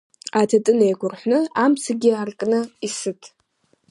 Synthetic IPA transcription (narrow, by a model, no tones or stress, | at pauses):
atʰatʼɨnejɡʷʰʊrħʷnɨamsʰaɡʲiarkʼnɨisɨtʰ